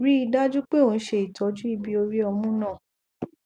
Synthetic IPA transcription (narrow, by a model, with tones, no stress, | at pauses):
ɾi˦i˧da˦d͡ʒu˦k͡pe˦o˨˧n̩˦ʃe˧i˨tʰɔ˨˦d͡ʒu˦i˦˧bi˦o˧ɾi˦ɔ˧mũ˦nãː˦˨